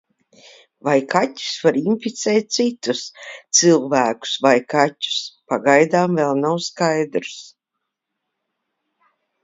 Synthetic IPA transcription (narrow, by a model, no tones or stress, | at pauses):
vajkʰatʲu̥svaɾinfit̪sɛːt̪̚ʲt̪sit̪ust̪sɨlˠvæːku̥svajkatʲu̥spaɡajd̪aːmvɛlˠnawskajd̪ɾs